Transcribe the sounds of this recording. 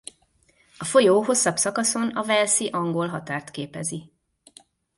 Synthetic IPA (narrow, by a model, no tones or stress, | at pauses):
ɒfo̞joːɦo̞sːɒbsɒkɒso̞nɒvɛlsiʔɒŋɡo̞lɦɒt̪aːrt̪keːpɛzi